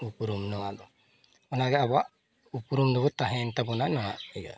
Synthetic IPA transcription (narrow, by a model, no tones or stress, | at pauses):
upuɾumnɔadɔ | ɔnaɡɛaba | upuɾumdɔbɔt̪aɦɛnt̪abɔnanɔwaɛɡa̰